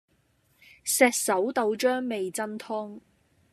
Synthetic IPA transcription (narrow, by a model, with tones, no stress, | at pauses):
sɛː˧k̚sɐ˨˥wt̪o˧wt͡ʃœː˥ŋme˨jt͡sɐ˥nt̪ʰʊ˥ŋ